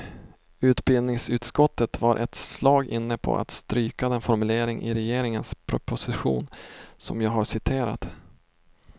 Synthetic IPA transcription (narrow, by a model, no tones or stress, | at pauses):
ʉ̟ːt̪bɪld̪nɪŋsʉ̟ːt̪skɔt̪ːət̪vaɾʔɛ̰t̪slɑːɡʔɪnːəpʰɔ̰ʔa̰t̪st̪ɾyːkad̪ɛnfɔɾmɵleːɾɪŋʔɪ̰ɾɛjeːɾɪŋənspʰɾʊpʊsɪɧṵːnsɔ̰mjɑːɡɦasɪt̪ʰeːɾa̰t̪